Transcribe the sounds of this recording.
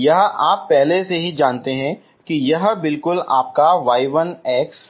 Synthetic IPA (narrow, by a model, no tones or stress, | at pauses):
jɐɦʔaːpːɛɦleseɦid͡ʒaːnt̪eɦɛ̃ | kijɐɦbɪlkʊla̰ːp̚kaʋaːɪʋənɛːks